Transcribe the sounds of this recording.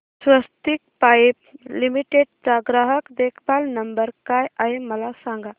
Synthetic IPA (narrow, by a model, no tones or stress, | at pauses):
sʋəst̪ik̚pajp̚limiʈeɖ̚t͡saɡɾaɦəkd̪ekʰpalnəmbəɾkajaɦeməlasaŋɡa